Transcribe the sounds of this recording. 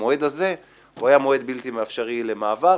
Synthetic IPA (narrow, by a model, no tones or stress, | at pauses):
oe̞d̪aze̞ | uajamoe̞d̪bilt̪imaafʃaʁile̞maːva